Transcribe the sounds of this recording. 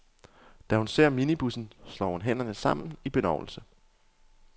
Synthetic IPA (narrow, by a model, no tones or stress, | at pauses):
d̥æhunse̝ɐ̰minib̥usn̩slɒ̰ːhunɦen̰ɐnəsɑ̈m̰n̩n̩ib̥e̝nɑʊl̩sə